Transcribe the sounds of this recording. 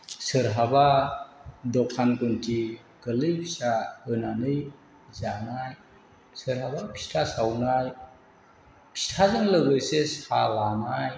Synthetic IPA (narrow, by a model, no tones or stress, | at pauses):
səɾɦaba | d̪ɔkʰankunti | kəlɯjpʰi̥ɕahənanɯj | zanaj | səɾɦabapʰi̥sʈʰasawnaj | pʰi̥sʈʰazəŋləɡɯjseshalanaj